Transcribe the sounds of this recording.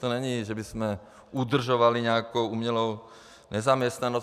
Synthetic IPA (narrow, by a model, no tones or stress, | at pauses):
t̪ɔɲɛɲiːʒɛbizmɛ | ʔud̪r̩ʒɔʋaliɲɛakɔʊumɲɛlɔʊ | ɲɛzamɪɛst̪nanɔ